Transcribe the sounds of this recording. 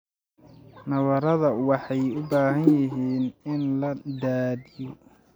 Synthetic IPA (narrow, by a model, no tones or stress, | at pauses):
nɐβɐɾɐðɐwɑħɑjʊbaːɦɐnjɪɦiːnɪnlɐd̪aːdɪjɔ